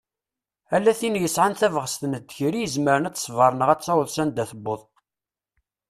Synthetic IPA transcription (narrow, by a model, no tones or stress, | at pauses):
ælːæθinjəsʕanθævʁəst̪ənəd̪çɾijəzməɾənæt͡sːsˤvəɾˤnəʁæt͡st͡sːɑwðsænd̪æθəbːoðˤ